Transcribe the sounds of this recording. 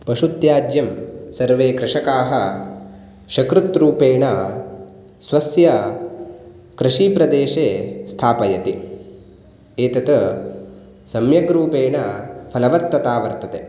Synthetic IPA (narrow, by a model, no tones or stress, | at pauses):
pɐʃut̪jaːd͡ʒ̪jɐmsɐɾʋeːkɾɪʂɐkaːɦɐ | ʃɐkɾut̪ɾuːpeːɳɐ | sʋɐsjɐ | kɾɪʂiːpɾɐd̪eːʃeːst̪ʰaːpɐjɐt̪i | eːt̪ɐt̪ɐ | sɐmjɐɡɾuːpeːɳɐpʰɐlɐʋɐɾt̪ːɐt̪aːʋɐɾt̪ɐt̪e